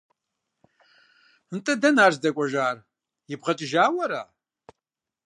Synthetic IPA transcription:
ntʼɨdɐnaːrzdɐkʷʼɔʒaːr | jɪbʁɐt͡ʃʼɪʒaːwɐɾa̰ː

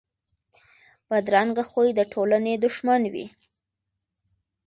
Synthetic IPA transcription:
bad̪ɾɑŋɡaxojd̪əʈʰolaned̪ʊʃmanwḭ

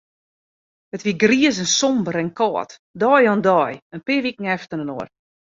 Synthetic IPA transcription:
ətʋiəɡriəzənsɔmbəɾɛnkʰɔːtdɔːjɔndɔːjənpɪəʋikŋ̩ɛftənənoər

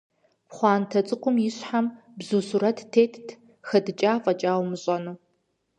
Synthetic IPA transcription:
pχʷɑːntʰɐt͡sʼɨqʷʊmjɪɕħam | bzuːsuɾɐtʰtʰeːtʰtʰ | xɐdɨt͡ʃʼaːfʼɐt͡ʃʼaːwmɨɕʼɐnuː

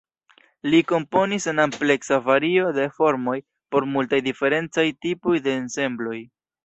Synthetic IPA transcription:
liko̞mpo̞nisenample̞ksavaɾio̞de̞fo̞ɾmo̞j | po̞ɾmultajdife̞ɾe̞nt͡sajtipo̞jde̞ːnse̞mblo̞j

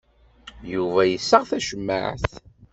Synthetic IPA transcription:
juvæjəsːəʁθæʃəmːa̰ʕθ

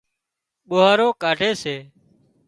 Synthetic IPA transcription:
ɓoːɦaːɾoːkaːɖʱeːseː

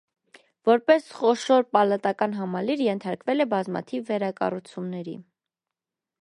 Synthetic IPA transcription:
vɔɾpɛsχɔʃɔɾpɑlɑt̪ɑkɑnɦɑmɑliɾjɛnt̪ʰɑɾkvɛlɛbɑzmɑ̰t̪ʰivːɛɾɑkɑ̰rut͡sʰumnɛɾḭ

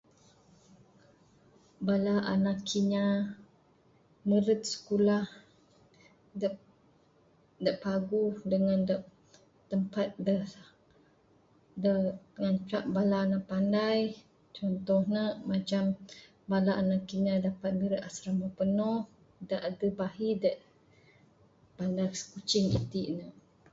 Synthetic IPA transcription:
balaʔanakʰiɲa | məɾət̪̚sə̥kulah | d | daʔpaɡudəŋandaʔ | t̪əmpat̪̚də | dədəŋant͡ʃaʔbalanaʔpandaj | t͡ʃɔnt̪ɔhnəʔmat͡ʃam | balaʔnaʔkinadapat̪̚məɾət̪asɾaməpənɔh | daʔadəbaɦidaʔ | pandajsə̥kut͡ʃɪŋḭt̪iʔnəʔ

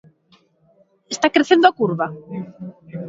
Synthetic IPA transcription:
est̪akɾeθend̪oakuɾβa

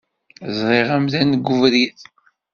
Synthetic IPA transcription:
zˤɾˤeʁæmðænɡuvɾiθ

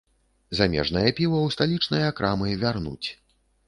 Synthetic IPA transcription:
zamʲɛ̰ʐnɐjɐpʲiwɐwst̪alʲit͡ʂnɐjɐakɾʔamɨvʲarnṵt͡sʲ

